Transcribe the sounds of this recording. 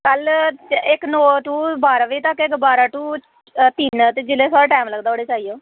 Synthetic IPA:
kəlɪknɔːʈ̪ũːbaːɾaːʋiːt̪əkɪkbaːɾaːʈuː | t̪ɪnt̪eːd͡ʒɪleːsaːɾʈaːmləɡd̪aːoːɽeːt͡ʃaːijoː

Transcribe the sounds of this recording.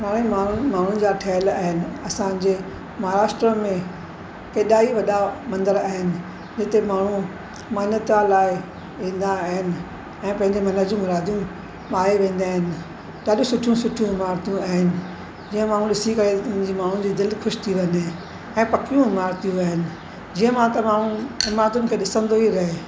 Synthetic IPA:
maːɽ̃emaːʊmaːɳ̤ʊnɪ̆d͡ʑaːʈʰɐːəlaːɦɪnɪ̆ɐsãɲd͡ʑeː | mɐɦaɾaːʃʈɾəmẽ | keːɗaːiʋɐɗamɐ̃nd̪əɾaːɦɪnɪ̆ | d͡ʑɪt̪emaːɳ̤ũ | mɐːnət̪alaːɪ | ʋĩːn̆d̪aːɦɪnɪ̆ | ɛ̃ːpɐ̃ɦɪ̃ɲd͡ʑemɐnəd͡ʑũmʊɾaːd̪ʱjũ | ɓaːɦeʋẽːn̆d̪aːɦɪnɪ̆ | ɗaːɗũsʊʈʰjũsʊʈʰjũɦɪmaːɾt̪ijũaːɦɪnɪ̆ | d͡ʑiːə̃maːɽ̤̃ũɗɪsikɐɾed͡ʑiːmaːɳ̤ũd͡ʑiːd̪ɪlxʊʃt̪ʰiʋɐ̃ne | ɛ̃ːpɐkijũɦɪmaːɾt̪ijũaːɦɪnɪ̆ | d͡ʑiːə̃mãt̪ɐmaːɳ̤ũɦɪmaːɾt̪ʊnɪ̆kʰeːɗɪsə̃nd̪oɦiɾɐɦe

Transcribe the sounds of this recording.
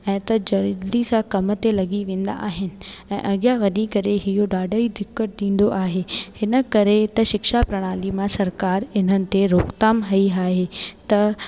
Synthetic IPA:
ɛ̃ːt̪ɐd͡ʑɐɾlisãkɐmət̪elɐɡiʋẽːn̆d̪a̰ʔaːɦɪnɪ̆ɛ̃ːʔɐɠjaʋɐnikɐɾeɦɪjoɗaːɖəid̪ɪkːəʈ̚ɗĩːn̆d̪oʔaːɦehɪnə̆kɐɾet̪ɐʃɪkʃapɾɐɽ̃aːlimãsɐɾkaːɾɪn̤ənɪ̆t̪eɾoːkt̪aːmɦɐiaːɦet̪ɐ

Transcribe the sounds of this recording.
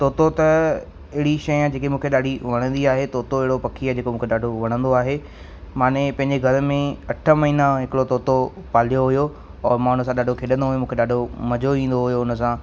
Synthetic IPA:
t̪oːt̪ot̪ɐ | ɪɦɪɽiʃɐj̃d͡ʑeːkemũːkʰeɗaːɖʱiʋɐɽ̃ə̃nd̪iaːɦet̪oːt̪oɪɦɪɽopɐkʰiaːd͡ʑeːkomũːkʰeɗaːɖʱoʋɐɽ̃ə̃nd̪oaːɦe | maːnepɐ̃ɦɪ̃ɲd͡ʑeɡʱɐɾmẽɐʈʰə̆mɐɦiːnãɦɪkɪɽot̪oːt̪o | paːlijoɦʊjo | ɔːɾmaːñ̤us̬ãɗaːɖʱokʰeːɗə̃nd̪oɦʊjomũːkʰeɗaːɖʱomɐd͡ʑoĩːnd̪oɦʊjoʊnə̆sãː

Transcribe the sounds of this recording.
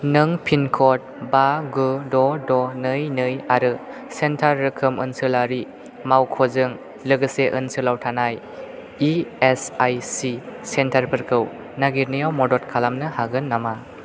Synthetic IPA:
nɯŋpʰinkʰɔt̚baɡɯdɔdɔnɯjnɯjaɾɯ | sentʰaɾːɯkʰɯmɯ̰nsɯlaɾi | mawkʰɔzɯŋ | lɯɡɯseʔɯ̰nsɯlawtʰanaj | iesajsisentʰaɾpʰɯɾkʰɯw | naɡiɾnijawmɔdɔt̚kʰalamnɯhaɡɯnːama

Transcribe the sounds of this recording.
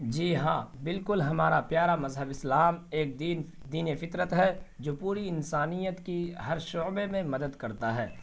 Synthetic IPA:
d͡ʒiːɦãːbɪlkʊlɦɐmaːɾapjaːɾamɐzɦəbɪslaːmeːk̚d̪iːn | d̪iːnjefɪt̪ɾət̪ɦɛd͡ʒoːpuːɾiɪnsaːnijət̪kiɦɐɾʃɔːbemẽmɐd̪əd̪kɐɾt̪aɦɛː

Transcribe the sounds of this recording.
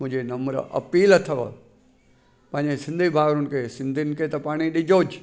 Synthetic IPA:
mʊ̃ɦɪ̃ɲd͡ʑenɐməɾɐ̰piːlət̪ʰɐʋə̰ | pɐ̃ɦɪ̃ɲd͡ʑesɪ̃nd̪ʱibʱaːʋɾʊnkʰesɪ̃nd̪ʱinɪ̆kʰet̪ɐpaːɽ̃iɗɪd͡ʑoːd͡ʑ

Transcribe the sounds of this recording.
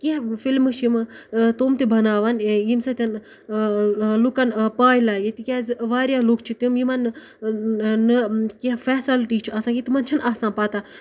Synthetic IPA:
keɦfilmɨʃʰimt̪oːmt̪ebɐnaːʋɐnjimsɐt̪ʲɐn | lukɐnpaːjlaːjit̪ikʲazʋaːɾjaːlukt͡ʃʰit̪umjimɐn | nɨkefɛːsɐlʈiːt͡ʃʰiɐsãːkit̪imɐnt͡ʃʰɐnaːsãːpaːt̪a

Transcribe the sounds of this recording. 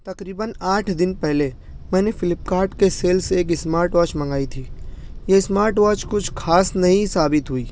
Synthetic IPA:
t̪ɐkɾiːbənaːʈʰd̪ɪnpɛɦle | mɛ̃ːnefʰɪlɪpkaːɾɖkeseːlseːk̬ɪsmaːɾʈwaːt͡ʃmə̃ŋɡaːit̪ʰiːjesmaːɾʈwaːt͡ʃkʊt͡ʃʰkʰaːsnɐɦĩsaːbɪt̪ɦuiː

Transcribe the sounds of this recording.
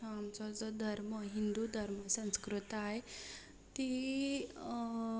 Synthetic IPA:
amt͡sɔd͡zɔd̪ʱəɾməɦind̪ud̪ʱəɾməsə̃skɾut̪aɦe | t̪i

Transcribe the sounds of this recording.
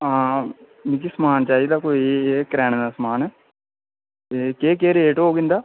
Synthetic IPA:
ɦãː | mik̬isəmaːnt͡ʃaːiːd̪aːkoːieːkɾɛːñd̪aːsmaːnɛː | ekeːkeːɾeːʈɦoːɡɪ̃nd̪aː

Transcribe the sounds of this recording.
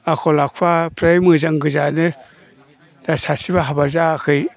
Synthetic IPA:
akʰɔlakʰuapʰɾajmɯzaŋɡɯzanɯ | d̥asasibaɦabaɾzakʰɯj

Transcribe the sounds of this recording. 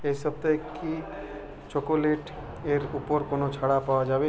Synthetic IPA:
esəb̚t̪əkːi | t͡ʃokoleʈ | eɾupoɾkonot͡ʃʰaɽapawad͡ʒaːbe

